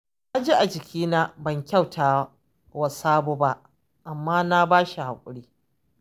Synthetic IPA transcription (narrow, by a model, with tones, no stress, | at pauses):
na˦d͡ʒi˦ʔa˨d͡ʒɪ˨kʲiː˦naː˦bɐ˨ŋkʲa˦˨wtʰaː˨ | wa˨saː˦boː˦ba˦ʔ | ʔa˨mːaː˦na˦baː˦ʃi˨ha˨kʷʼʊ̰˨ɽiː˦